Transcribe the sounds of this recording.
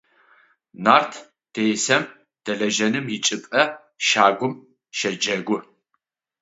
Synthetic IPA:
naːrtʰ | d̥ejsɐm | d̥ɐɮɐʒɐnɨmjɪt͡ʃʼɪpʼɐ | ʃaːɡʷʊm | ʃɐd͡ʒɐɡʷʊ

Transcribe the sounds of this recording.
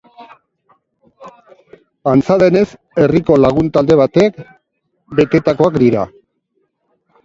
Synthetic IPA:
ant͡saðe̞ne̞s | e̞riko̞laɣ̞unt̪ald̪e̞β̞at̪ek | be̞t̪e̞t̪ako̞akd̪iɾa̰

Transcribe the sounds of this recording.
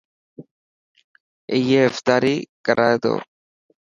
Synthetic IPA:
ɪjeːft̪aːɾiːkɐɾat̪o̰ː

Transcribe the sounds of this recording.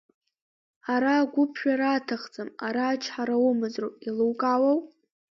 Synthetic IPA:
aɾaːɡʷʊpʰʃᶣaɾaːtʰaχt͡sʼɨmaɾaːt͡ʃʰħaɾawʊmɨzrowilɨwkʼawaw

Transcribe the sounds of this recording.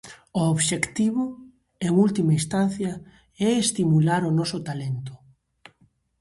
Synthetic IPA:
ooβʃekt̪iβʊ | eŋult̪imaist̪anθjɐ | ɛest̪imulaɾʊnɔsʊt̪alent̪ʊ̥

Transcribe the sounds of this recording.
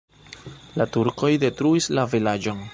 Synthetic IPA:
latuɾko̞jde̞tɾuislavilad͡ʒon

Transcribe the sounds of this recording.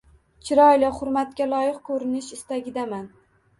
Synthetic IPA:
t͡ʃʰɪɾɒjlɪχʊɾmat̪̚kʲalˠɒjɪqkʰɵɾɪnɪʃɪst̪aɡʲɪd̪aman

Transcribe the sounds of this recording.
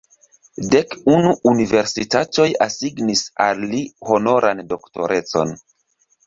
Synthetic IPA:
dekunuːnive̞ɾsitato̞jasiɡnisa̰lːiho̞no̞ɾʔando̞kto̞̰ɾʔe̞t͡so̞̰n

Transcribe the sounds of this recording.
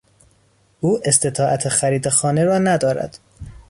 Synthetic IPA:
ʔuːʔe̞st̪ʰe̞t̪ʰɒːʔæt̪ʰexæɾiːd̪exɒːne̞ɾɒːnæd̪ɒːɾæ̰d̪̥

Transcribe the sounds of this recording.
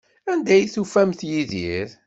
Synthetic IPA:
ænd̪æjθufæmθjiðiɾ

